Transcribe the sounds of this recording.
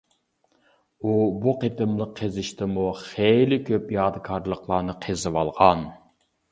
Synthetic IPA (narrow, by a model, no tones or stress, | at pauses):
ubuqet̪ɨmlˠəqʰːezɪʃt̪ɪmuχejlɪkʲʰøpjɑːd̪ɨkʰɑɾlˠəqʰlˠɑːnɨqʰezɨwɑlˠʁɑn